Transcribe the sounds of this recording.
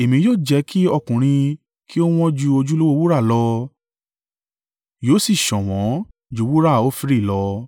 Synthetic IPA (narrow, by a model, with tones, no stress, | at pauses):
e˨mĩ˧joː˦˨d͡ʒɛ˨˦kʰi˦ɔ˧kũ˨ɾ̃ĩ˧ | kʰi˦o˦w̃ɔ̃˦d͡ʒu˧o˧d͡ʒu˦lo˦wo˦˧wu˦ɾa˦˨lɔ˧˦ | joː˨˦si˦˨ʃɔ̃˨w̃ɔ̃˨˦ | d͡ʒu˨˧˦wu˦ɾa˦˨o˦fi˧˦ɾi˦˨lɔ˧˦